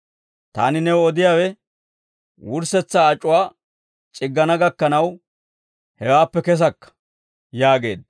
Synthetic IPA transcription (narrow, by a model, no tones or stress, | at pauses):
t̪a̰ːnɪnɛwɔd̪ɪjaːwɛ | wʊɾsɛt͡sːaːt͡ʃʼːʊwaː | t͡ʃʼɪɡːɐnɐɡɐkːɐnɐw | hɛwaːpːɛkɛs̬ɐkːɐ̥ | jaːɡe̞̰ːd̪̚